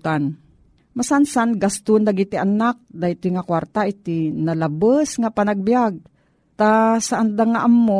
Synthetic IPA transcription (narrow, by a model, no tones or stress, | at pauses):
t̪an | masansanɡast̪ʊnd̪aɡit̪ɪʔanak̚d̪at̪ɪŋakwaɾt̪aʔɪt̪ɪnalabasŋapanaɡ̚bijaɡ̚ | t̪asaʔand̪aŋaʔamːo